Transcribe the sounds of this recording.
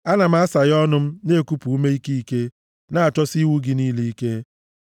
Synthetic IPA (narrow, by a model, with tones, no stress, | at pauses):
a˦na˨m̩˦a˦sa˨ɣɔ˦nʊ˦m̩˦ne˦˨ku˦pu˨u˦me˦i˦ki˦i˦ke˦ | na˦˨a˨t͡ʃɔ˦si˦wu˦ɡɪ˨niː˦li˦i˦ke˦